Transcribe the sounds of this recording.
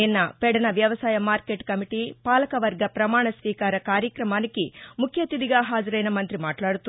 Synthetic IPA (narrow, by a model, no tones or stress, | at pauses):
inːɐpɛɽɐnɐʋjɐʋɐsaːjɐmaːɾkeːʈkɐmiʈiːpaːlɐkɐʋɐɾɡɐpɾɐmaːɳɐsʋiːkaːɾɐkaːɾjɐkɾɐmaːnikimukʰjɐt̪id̪iɡaːɦaːd͡ʒɐɾɐjnɐmɐnt̪ɾimaːʈlaːɽut̪u